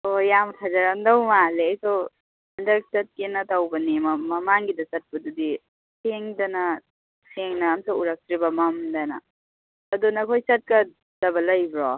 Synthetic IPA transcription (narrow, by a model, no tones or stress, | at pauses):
ojampʰazɐɾandɐwmaleɐjsow | ɐndɐk̚sɐt̚kenɐtawbɐnemɐmɐmaŋɡidɐsɐt̚pɐdudi | sʰeŋdɐnɐ | sʰeŋnɐːmsouɾak̚tɾibɐmɐmdɐnɐ̰ | ɐdunɐkʰojsɐt̚kɐ | d̥ɐbɐlɐjbɾɔ